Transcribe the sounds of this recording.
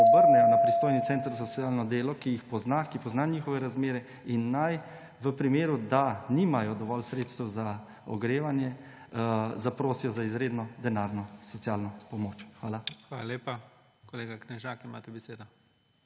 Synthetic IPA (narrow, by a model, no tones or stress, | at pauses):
ɔbəɾnɛjɔnapɾist̪oːjnit̪sɛːnt̪ɾsɔt̪sjalnɔd̪eːlɔkijixpɔznakipɔznaniːxɔʋɛɾazmeːɾɛ | inːaj | ʋəpɾimeːɾud̪aniːmajɔd̪ɔʋɔlsɾeːt̪st̪ɛwza | ɔ̰ɡɾeːʋanjɛ | zapɾoːsijɔzaizɾeːd̪nɔd̪ɛnaːɾnɔsɔt̪sjalnɔpɔmoːt͡ʃxʋaːlaxʋaːlaleːpa | kɔleːɡaknɛʒaːkima̰ːt̪ɛbɛseːd̪ɔ